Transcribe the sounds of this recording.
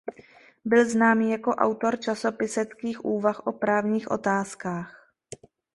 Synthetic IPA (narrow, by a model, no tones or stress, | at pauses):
bɪlznaːmiːjako̞ʔa̰wt̪o̞ɾt͡ʃaso̞pɪsɛt̪kiːxʔuːvaxʔo̞pɾaːvɲiːxʔo̞̰t̪aːskaːx